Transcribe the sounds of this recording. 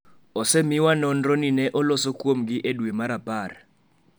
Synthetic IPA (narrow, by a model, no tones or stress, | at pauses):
ɔsemiwanɔnrɔninɛʔɔlɔsɔkwom̩ɡ̬iʔeɗuɛmaɾapʼaːɾa